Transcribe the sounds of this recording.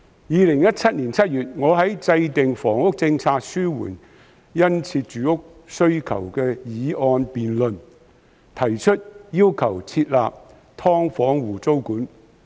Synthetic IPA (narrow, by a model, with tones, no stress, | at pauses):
jiː˨˧lɪ˨˩ŋjɐ˥t̚t͡sʰɐ˥t̚niː˨˩nt͡sʰɐ˥t̚jyː˨t̚ŋɔː˨˧ɦɐ˨˥jt͡sɐ˧jt̪ɪ˨ŋfɔː˨˩ŋʊ˥k̚t͡sɪ˧ŋt͡sʰaː˧k̚syː˥wṵː˨˩n | jɐ˥nt͡sʰiː˧t̚t͡ʃyː˨˥ʊ˥k̚ | sɵ˥ɥkʰɐ̰˨˩wkɛː˧jiː˨˧ɔː˧npiː˨nlɵ˨n | t̪ʰɐ˨˩jt͡ʃʰɵ˥t̚jiː˥wkʰɐ˨˩wt͡sʰiː˧t̚laː˨p̚ | t̪ʰɔː˥ŋfɔː˨˥ŋwuː˨˩t͡so˥wkuː˨˥n